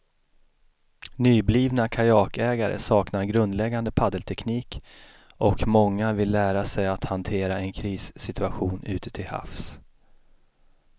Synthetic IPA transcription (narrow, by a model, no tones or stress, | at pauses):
nyːbliːvnakʰajɑːkɛːɡaɾə̰sɑːknaɾɡɾɵnd̪lɛɡːand̪əpʰad̪əlt̪ʰɛkniːk | ʔɔkmɔŋːavɪlːæːɾasɛjat̪hant̪ʰeːɾaɛnkʰɾiːsːɪt̪ʰɵaɧuːnʉ̟ːt̪ə̥t̪ʰɪlha̰fs